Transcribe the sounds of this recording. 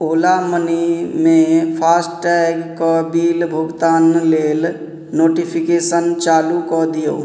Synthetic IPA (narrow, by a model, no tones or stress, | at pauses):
olamənimẽpʰasʈʈɛɡkɔbilbʱuɡt̪aːnlel | noːʈipʰikesənt͡ʃaːlukɔd̪ijo